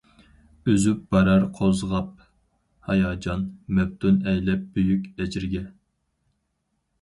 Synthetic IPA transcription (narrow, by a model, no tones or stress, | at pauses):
øzyp̚b̥ɑɾɑɾqʰozʁɑp̚ | hɑjɑːd͡ʒɑnmɛp̚t̪ʰunɛjlɛp̚bøjykʲɛd͡ʒiɾɪɡʲɛ